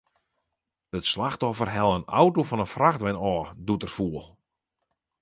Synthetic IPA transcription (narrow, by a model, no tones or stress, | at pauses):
ətslaxtɔfərɦɛlˠəna̰wtofɔnənfraxdʋɛnɔːdutərfuəlˠ